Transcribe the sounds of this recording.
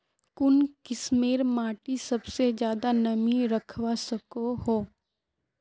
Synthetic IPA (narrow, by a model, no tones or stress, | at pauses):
kʊnkɪsmeːɾmaːʈisɐbsed͡ʒjaːd̪anɐmiɾɐkʰʋasɐkoɦoː